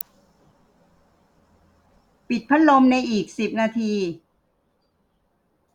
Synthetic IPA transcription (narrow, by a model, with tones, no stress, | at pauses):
pi˨˩t̪̚pʰa˦˥lo˧mna˧jʔiː˨˩k̚si˨˩p̚naː˧t̪ʰiː˧